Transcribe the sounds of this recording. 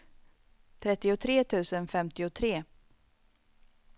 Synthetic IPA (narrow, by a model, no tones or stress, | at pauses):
t̪ʰɾɛt̪ːɪʊt̪ʰɾeːt̪ʰʉ̟ːsənfɛmt̪ɪʊt̪ʰɾeː